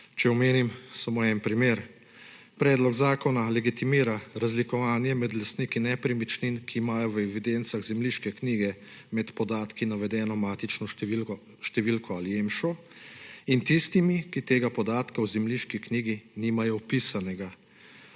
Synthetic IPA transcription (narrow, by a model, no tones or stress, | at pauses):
t͡ʃɛɔmeːnimsɔmɔɛnpɾimeːɾ | pɾɛːd̪lɔɡzaːkɔnalɛɡit̪imiːɾaɾazlikɔʋaːnjɛmɛd̪last̪nikinɛpɾimit͡ʃninkʰiːmaːjɔʋɛʋid̪ent̪saɣzɛmliːʃkɛkniːɡɛ | mɛt̪pɔd̪aːt̪kinaʋɛd̪ɛːnɔmaːt̪it͡ʃnɔi | ʃt̪ɛʋilkɔaliemʃɔ | int̪ist̪imikit̪eːɡapɔd̪aːt̪kawzɛmliʃkikniːɡiniːmajɔpisanɛɡa